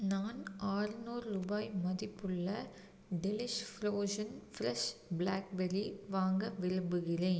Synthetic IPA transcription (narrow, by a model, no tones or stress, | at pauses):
naːnaːrɯnuːɾɾubaːjmɐðɪpːɯɭːɐ | ɖɪlɪʂfɾoːʂɐnfɾɛʂblaːk̚bɛɾiʋaːŋɡɐʋɪɾɯmbɯɣɪreːn